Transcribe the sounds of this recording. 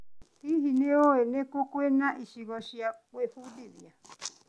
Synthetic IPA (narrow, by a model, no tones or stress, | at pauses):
hihineoenekokwenaʔiʃiβaʃiaweɸudiβja